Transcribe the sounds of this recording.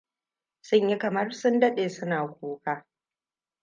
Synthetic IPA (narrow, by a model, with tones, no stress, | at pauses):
sʊ˦ɲji˦kɐ˨mɐ˦rsʊ˦ndɐ˦ɗeː˨sʊ˦naː˨kʷoː˦kaː˦